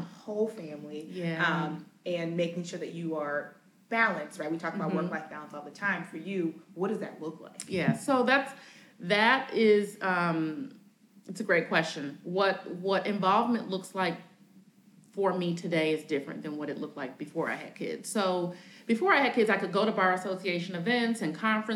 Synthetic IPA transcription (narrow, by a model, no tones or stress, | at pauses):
hoʊlˠfæ̃mlijæʌ̃mɨ̃nmeɪkɪ̃ŋʃʊɹðɨt͡ʃɨə˞ | b̥ælˠɨ̃nstɹaɪt̚witʰɔkəbaʊwɜ˞klaɪsb̥ælˠə̃nsɔlˠðətʰãɪ̃ɱfə˞jʉwʌd̥ʌzðɨ̰tˡlʊkʰla̰ɪkjæsoʊðæts | ðɨɾɪzʌ̃m | ɨtsɨɡɹeɪt̚kʰw̥ɛst͡ʃɨ̃nwʌt̚wʌɾʔɨ̃ɱvɑlˠvmɨ̃nʔlʊkslaɪk̚ | fə˞mitʰɨdeɪɨzdɪfɹɨ̰̃nðɨ̃nwʌɾɨʔˡlʊk̚slaɪk̚b̥ɨfɔɹa̰ɪɨ̰d̚kʰɪ̰d̥z̥soʊb̥ɨfɔɹaɪɨd̚kʰɪdzaɪkɨd̚ɡoʊɾəbɑɹɨsoʊsieɪʃɨ̃nɨvɛ̃ntsɨ̃nkʰɑ̃ɱfɹɨ̃